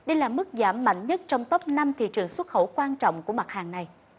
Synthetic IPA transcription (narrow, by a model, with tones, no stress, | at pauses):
ɗə˧jlaː˨˩mɨ˦˥k̚zaː˧˩mːa̰˧˨jŋ̟ɲə˦˥t̚t͡ɕɔ˧wŋ͡mt̪ə˦˥p̚na˧mt̪ʰḭ˧˨t͡ɕɨ˨˩əŋswə˦˥t̚xə˧˩wkwaː˧nt͡ɕɔ̰˧˨wŋ͡mku˧˩əma˨˩t̚haː˨˩ŋna˨˩j